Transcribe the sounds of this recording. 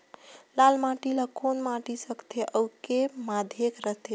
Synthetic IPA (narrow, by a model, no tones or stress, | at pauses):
lalmãʈilakonmãʈisəkt̪ʰeʔəwkemad̪ʱekɾəɦt̪ʰe